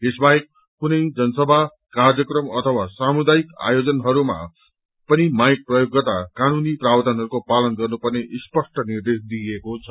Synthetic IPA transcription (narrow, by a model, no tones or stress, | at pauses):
esbaekː | kunʌjd͡zʌnʌsʌbʱa | kard͡zjʌkrʌmʌt̪ʰʌwasamud̪ajika̰jod͡zʌnɦʌɾuma̰ | pʌnimajʌk̚prʌjoɡʌt̪akanuniprabd̪ʱanɦʌɾukopalʌnɡʌrnupʌrneʔspʌsʈʰʌnird̪esd̪ijekot͡sʰʌ̥